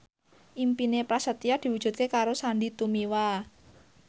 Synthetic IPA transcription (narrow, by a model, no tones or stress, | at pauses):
ʔimpinepɾasət̪iad̪̥i̤wud̥ʒ̥ṳt̪̚kekaɾosanɖit̪umiwa